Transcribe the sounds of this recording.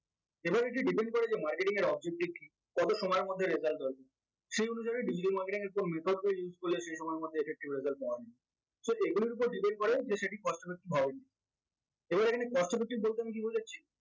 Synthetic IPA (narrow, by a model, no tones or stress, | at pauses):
ebaɾeʈiɖipeɳɖ̚kɔɾed͡ʑemaɾkeʈiŋeɾɔb̚d͡ʑek̚ʈiki | kɔt̪oʃɔmɔeɾmod̪ʱːeɾezalʈ̚d̪ɔlke | ʃejonuʃ̬aɾeɖid͡ʑiʈalmaɾkeʈiŋeɾkonmet̪ʰoɖbejud͡ʑkolːeʃejʃɔmɔeɾmod̪ʱːeefek̚ʈibɾezalʈ̚ɔani | soeɡuliɾup̬oɾɖipeɳɖ̚koɾed͡ʑeʃeʈikɔʃʈobek̚ʈibʱɔbeni | ebaɾekʰanekɔʃʈobek̚ʈibolt̪eamik̬ibod͡ʑei